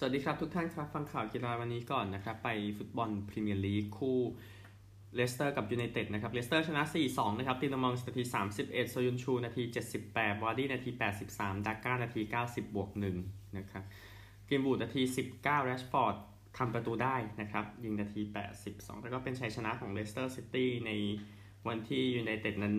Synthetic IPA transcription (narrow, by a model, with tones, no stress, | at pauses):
su˨˩t̚diː˧kʰɾa˦˥p̚t̪ʰu˦˥k̚t̪ʰa˥˩nkʰɾa˦˥fa˧ŋkʰaː˨˩wki˧laː˧wa˧nːiː˦˥kɔː˨˩nːa˦˥kʰɾa˦˥pːa˧jfu˦˥t̪̚bɔ˧npʰɾi˧mi˧ənliː˦˥kʰuː˥˩ | leː˦˥st̪ɤː˥˩ka˨˩p̚juː˧na˧jt̪e˨˩t̪̚na˦˥kʰɾa˦˥p̚le˦˥st̪ɤː˥˩t͡ɕʰa˧na˦˥ʔsiː˨˩sɔː˩˦ŋna˦˥kʰa˦˥t̪iː˧˩lo˧ŋmɔː˧ŋs̚na˧t̪ʰiː˧saː˩˦msi˨˩p̚ʔe˨˩t̪̚soː˧ju˧nt͡ɕʰuː˧naː˧t̪ʰiː˧t͡ɕe˨˩t̪̚si˨˩pːɛː˨˩t̪̚waː˧liː˥˩naː˧t̪ʰiː˧pɛː˨˩t̪̚si˨˩p̚saː˩˦mdaː˧kaː˥˩wnaː˧t̪ʰiː˧kaː˥˩wsi˨˩p̚bu˨˩ək̚nɯ˨˩ŋna˦˥kʰa˦˥p̚ | kiː˧mbuː˨˩naː˧t̪ʰiː˧si˨˩p̚kaː˥˩wɾɛː˦˥t͡ɕfɔː˧˥˩t̪̚ | tʰːa˧mpɾa˧t̪uː˧daː˥˩jna˦˥kʰɾa˦˥p̚ji˧ŋnaː˧t̪ʰiː˧pɛ̰ː˨˩t̪̚si˨˩p̚sɔ̰ː˩˦ŋlɛː˦˧˩kɔː˥˩pe˧nt͡ɕʰa˧jt͡ɕʰa˧na˦˥kʰɔː˩˦ŋleː˦˥st̪ɤː˥˩si˦˥t̪iː˥˩na˧j | wa˧nt̪ʰiː˥˩juː˧na˧jt̪e˨˩t̪̚na˦˥n